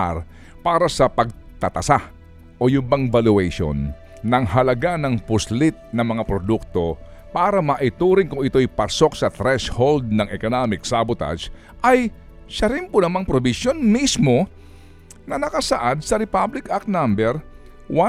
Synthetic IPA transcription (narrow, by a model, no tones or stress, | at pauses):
aɾ | paːɾɐsɐpɐɡ̚ | t̪ɐt̪ɐsa | ʔo̞jʊbaŋbalʊɛʃo̰nː | ɐŋɦɐlɐɡanɐŋpʊslɪt̪̚nɐŋmɐŋapɾod̪uk̚t̪o̞ | paːɾɐmaʔɪt̪uːɾɪŋkʊŋɪt̪o̞jpɐso̞k̚sɐt̪ɾɛshold̪̚nɐŋɛkonamɪk̚sabʊt̪a̰d͡ʒ | ʔɐj | ʃɐɾɪnpʊnɐmaŋpɾobɪsjo̞nmismo̞ | nɐnɐkɐsaʔad̪̚sɐɾɪpablɪkak̚nambɛɾ | wa